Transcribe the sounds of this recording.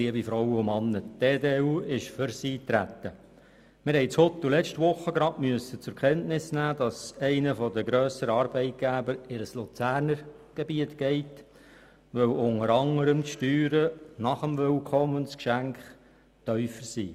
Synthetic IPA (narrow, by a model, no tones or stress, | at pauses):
iəbifɾɔwəʊmɑnːəd̥eːdeːuːɪʃfʏɾsiːt̪ɾæ̰t̪ːə | mɪɾhɛɪt͡shɔt̪ːulɛt͡ʃtʋʊχəɡ̥ɾɑtmyəsːət͡sʊɾkʰχɛntnɪsnæːd̥ɑsɛɪnəfɔdəɡɾøːsəɾɑːɾbɛɪt̚ɡ̥æːbəɾɪɾəslut͡sæːɾnəɾ | ɡ̥ebiətɡ̥ɛɪt | ʋœwʔʊŋəɾɑŋəɾəmʃtyːɾənɑχəmʋɪlkʰɔmənskʃæŋkχ | tœʏfəɾsḭː